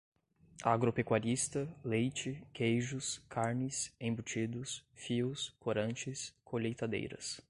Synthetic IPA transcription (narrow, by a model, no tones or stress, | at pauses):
aɡɾopekwaɾist̪ɐlejt͡ʃɪkejʒʊskʰaɾnɪsẽbut͡ʃid̪ʊsfiʊskʰoɾɐ̃nt͡ʃɪskʰoʎejt̪ad̪ḛjɾɐ̰s